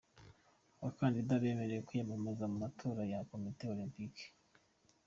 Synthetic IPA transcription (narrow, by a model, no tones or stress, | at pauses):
aβakaːndidaβe̞me̞ɾe̞jekujemamezamumatʰo̞ːɾajako̞miteo̞limpike̥